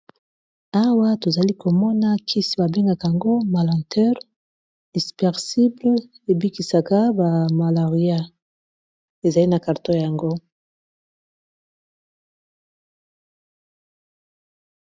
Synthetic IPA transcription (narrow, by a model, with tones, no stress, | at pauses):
a˦wa˦to˨za˨li˦ko˨mɔ˦na˦kʰi˦sba˨be˦ŋɡa˨ka˨ja˨ŋɡo˦ma˨lɑ̃˨ntʰɛ˦ʁ | i˨spɛ˨ʁsi˦bl | e˨bi˦ki˨sa˨ka˦ba˨ma˨la˨ʁi˨˦a˦ | e˨za˨li˦na˨ka˨ʁto˦ja˨ja˨ŋɡo˦